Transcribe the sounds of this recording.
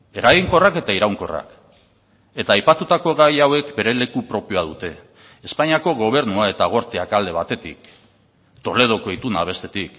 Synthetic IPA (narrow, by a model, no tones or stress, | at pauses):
e̞ɾaɣiŋko̞rake̞t̪aiɾawŋko̞̰ra̰k | e̞t̪aːjpat̪ut̪ako̞ɣajawe̞kbe̞ɾe̞le̞kupɾo̞pioað̞ut̪e̞ː | spaɲiako̞ɣo̞β̞e̞ɾnuae̞t̪aɣ̞o̞ɾt̪eakald̪e̞β̞at̪e̞t̪ḭk | t̪o̞le̞ð̞o̞koet̪unaβ̞e̞st̪e̞t̪ik